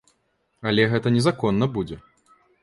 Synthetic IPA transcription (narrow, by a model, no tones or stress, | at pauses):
ɐlʲɛɣɛt̪ɐnʲɛzakɔnːɐbud͡zʲɛ